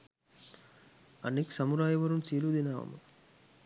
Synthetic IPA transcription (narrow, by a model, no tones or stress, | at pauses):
ɐ̰nːiksɐmuɾaːjɐʋɐɾumsiːlud̪inaːʋɐ̰m